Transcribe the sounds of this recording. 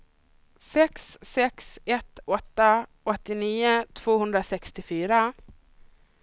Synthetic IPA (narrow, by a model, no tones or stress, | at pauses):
sɛksːɛksɛt̪ɔt̪ːa | ɔt̪ːɪniːʊt̪ʰv̥oːɦɵnd̪ɾasɛkst̪ɪfyːɾa